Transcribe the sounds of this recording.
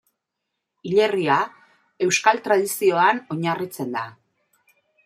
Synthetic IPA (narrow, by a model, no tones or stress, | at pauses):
iʎe̞ria | e̞wskalt̪ɾað̞isio̞ano̞ɲarit͡se̞nd̪a